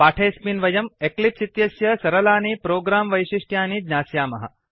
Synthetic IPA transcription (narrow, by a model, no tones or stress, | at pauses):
paːʈʰeːsminʋɐjɐmeklip̚sit̪jɐsjɐsɐɾɐlaːnipɾoːɡɾaːmʋɐjʃiʂʈʰjaːnid̪naːsjaːmɐ̰ɦɐ̰